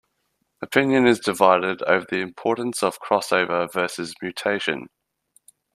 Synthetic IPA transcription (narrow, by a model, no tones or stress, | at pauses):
əpʰɪ̃njə̃nɪzdɪvaɪdɪdə̰ʊvəðiɪ̃mpʰɔˑʔn̩səv̥kʰɹ̥ɒsəʊvəvɜˑsɪzmjʉˑtʰeɪʃə̰̃n